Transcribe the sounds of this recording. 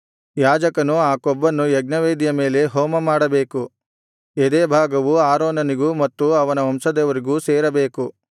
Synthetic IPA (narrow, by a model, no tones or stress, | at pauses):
jaːd͡ʒɐkɐnuaːkɔbːɐnːujɛɡ̚nɐʋeːd̪ijɐme̞ːle̞ɦɔːmɐmaːɽɐbe̞ːku | ed̪eːbʱaːɡɐʋuaːɾoːnɐniɡumɐt̪ːuɐʋɐnɐɐmsɐd̪ɛʋɐɾiɡuːseːɾɐbeːku